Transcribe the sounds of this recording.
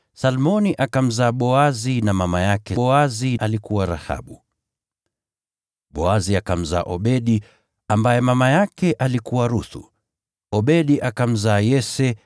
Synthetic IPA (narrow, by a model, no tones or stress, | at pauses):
salmɔniʔakam̩zaːɓɔazinamamajakɛaziʔalikuwaɾa̰ha̰ɓu | ɓɔaziakam̩za̰ːʔɔɓɛɗi | ambajɛmamajakɛʔalikuwaɾuθṵ | ɔɓɛɗiʔakam̩zaːjɛsɛ